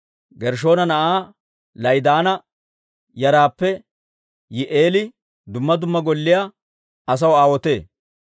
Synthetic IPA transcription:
ɡɛɾʃ̬o̞ːnɐnɐʔaː | lɐjd̪aːnɐ | jɐɾaːpːɛ | jɪʔe̞ːlɪ | d̪ʊmːɐd̪ʊmːɐɡɔlːɪja | ɐs̬ɐwaːwɔt̪e̞ː

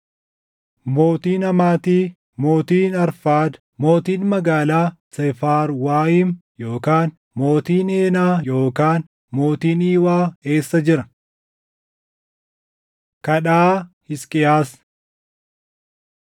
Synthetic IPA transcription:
mo̞ːt̪iːnɐmaːt̪iː | mo̞ːt̪iːnɐɾfaːd̪ | mo̞ːt̪iːnmɐɡaːlaːsɛfaːɾwaːɪmjo̞ːkaːn | mo̞ːt̪iːne̞ːnaːjo̞ːkaːn | mo̞ːt̪iːniːwaːe̞ːsːɐd͡ʒɪɾɐ | kɐɗaːhɪskʼɪjaːs

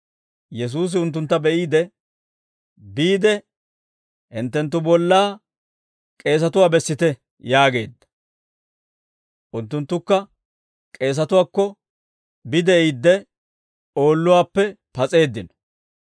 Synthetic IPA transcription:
jɛs̬uːs̬ɪʊnt̪̬ːʊnt̪ːɐbɛʔiːd̪ɛ | biːd̪ɛ | hɪnt̪ːɛnt̪̬ːʊbɔlːaː | kʼe̞ːs̬ɐt̪ʊwaːbɛsːɪt̪ɛ | jaːɡe̞̰ːd̪ːɐ̥ | ʔʊnt̪ːʊnt̪ːʊkːɐ | kʼe̞ːs̬ɐt̪ʊwaːkːɔ | bɪd̪ɛid̪ːɛ | o̞ːlːʊwaːpːɛ | pɐt͡sʼe̞ːd̪ːɪnɔ̥

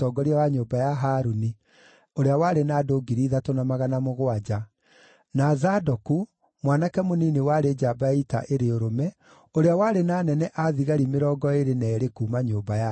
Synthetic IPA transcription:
tɔɡɔɾiawaɲoːbajaɦaːɾuni | oɾeawaɾenaːdoːɡiɾiːðatonamaɣanamoɣwad͡ʑa | nazadɔku | mwanakɛmoninewaɾed͡ʒabaita̰ʔeɾeoɾomɛ | oɾeawaɾenaːnɛnɛʔaðiɣaɾimeɾɔːɡɔeɾenɛːɾekuːmaɲoːbaja

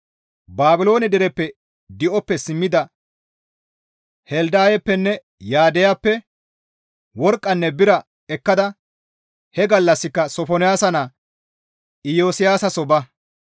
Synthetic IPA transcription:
baːbɪlo̞ːnɛd̪ɛɾɛpːɛ | d̪ɪʔɔpːɛsɪmːɪd̪ɐ | hɛld̪aːjɛpːɛnːɛ | jaːd̪ɛjapːɛ | wɔɾkʼːɐnːɛbɪɾɐ | ɛkːɐd̪ɐ | hɛɡɐlːɐsːɪkːɐsɔfɔnɪjaːsɐna | ɪjoːsɪjaːsɐsɔbɐ

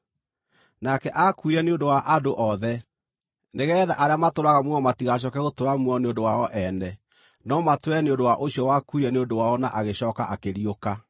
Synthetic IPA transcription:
nakɛʔakuiɾɛneondowaʔadoʔɔðɛ | neɣɛːða̰ʔaɾeamatoɾwaɣamwɔmatiɣaɕ̬ɔkɛɣotoɾamwɔneondowaɔʔɛnɛ | nɔmatwɛneondowaʔoɕjɔwakuiɾɛneondowaɔnaʔaɣeɕɔːkaʔakeɾijoka

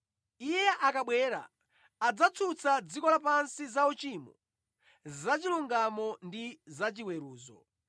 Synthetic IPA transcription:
ijɛʔakaɓwɛɾa̰ | ad͡zat͡sʰut͡sʰad͡zikɔlapansizaut͡ʃimɔ̰ | zat͡ʃiluŋɡamɔndizat͡ʃiwɛɾuːzɔ̰

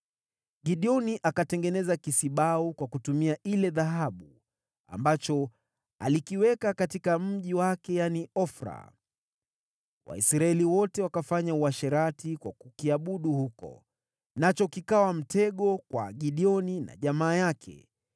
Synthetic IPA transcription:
ɡiɗiɔniʔakatɛŋɡɛnɛzakisiɓaukwakutumiaʔilɛðaɦaɓu | a̰mbat͡ʃɔ | a̰likiwɛkakatikam̩ʄiwakɛjaniɔfɾa̰ | wʔa̰isɾaɛliwɔtɛwakafaɲauaʃɛɾatikwa̰kukiaɓuɗuhukɔ̰ | nat͡ʃɔkikawam̩tɛɠɔkwa̰ɠiɗiɔnina̰ʄamaːjakʰɛ̰

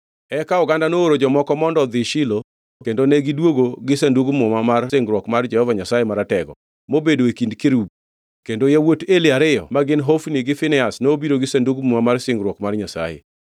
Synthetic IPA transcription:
ɛkaɔɡandanooɾod͡ʒɔmɔkɔmɔndɔd̪ɪʃɪlo | kendonɛɡɪdwoɡoɡɪsanduɡmʊmamarsɪŋɡɾwɔkmard͡ʒɛhɔvaɲasajemaɾatɛɡɔ̰ | mobedoekindkeɾub̚ | kendojawotelɪaɾɪjɔ̰maɡɪnɦofniɡɪfɪnɛasnoobiɾoɡɪsanduɡmʊmamarsɪŋɡɾwɔkmarɲasa̰jḛ

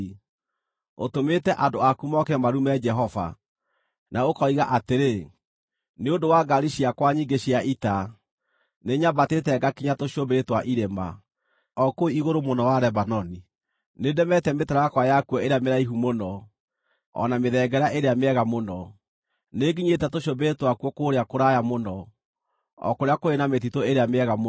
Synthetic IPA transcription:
o̰tometɛʔandoakumɔkɛmaɾumɛd͡ʒɛɦɔva̰ | naokɔiɣaʔateɾe | neondowaɡaɾiɕiakwaɲiɡeɕiaʔita | neɲabatetɛɡakiɲatoʃiobeɾetwaʔiɾema | ɔkoiɣoɾomonɔwaɾɛbanɔni | nedɛmɛtɛmetɛɾaakwajakwɔeɾeameɾaiɦumonɔ | ɔ̰nameðɛɡɛɾaʔeɾeameɛɣamonɔ | neɡiɲetɛtoʃobeɾetwakwɔkoːɾeakoɾajamonɔ | ɔ̰koɾeakoenamet̬itoeɾeameɛɣam

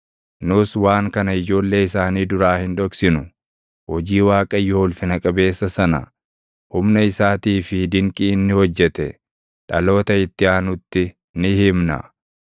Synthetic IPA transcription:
nʊswaːŋkɐnɐɪd͡ʒo̞ːlːe̞ːɪsaːniːd̪ʊɾaːhɪnᶑɔksɪnʊ | hɔd͡ʒiːwaːkʼɐjɔːlfɪnɐkʼɐbe̞ːsːɐsɐnɐ̰ | hʊmnɐɪsaːt̪iːfɪd̪ɪŋkʼiːnːɪhɔd͡ʒːɛt̪ɛ | ᶑɐlo̞ːt̪ɐɪt̪ːɪaːnʊt̪ːɪ | nɪhɪmnɐ̰

